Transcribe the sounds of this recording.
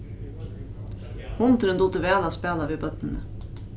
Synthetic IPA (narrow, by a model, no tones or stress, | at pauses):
hʊnt̪ɾənd̪ʊt̪əʋæːlɑspæːlɑʋeːbœt̪nənə